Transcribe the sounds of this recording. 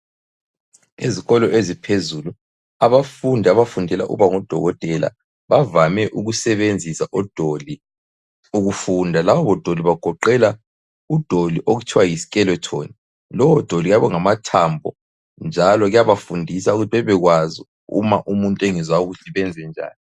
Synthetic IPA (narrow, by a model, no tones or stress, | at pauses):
eziɣɔlɔʔezipʰezulu | aβafundʱaaβafundʱɛla̰ʔṵβaŋɔd̥ʱɔɣɔtʼɛla̰ | βavamɛʔuɣusɛβend͡zʱisaʔɔd̥ʱoli | uɣufundʱalaβɔβɔd̥ʱoliβaɡ̥ʱɔǃɛla | ud̥ʱoliʔoɣut͡ʃʰiwajisi̥kʼɛlɔtʰo̰ːni | lɔwɔd̥ʱoliɣjaβɔŋamatʰambʱɔ̰ | nd͡ʒʱalɔɣjaβafundʱisauɣutʰiβɛβɛɣwazi | ṵmaʔumuntʼeŋizwauɣutʰiβɛnd͡zʱɛnd͡ʒʱa̰ːni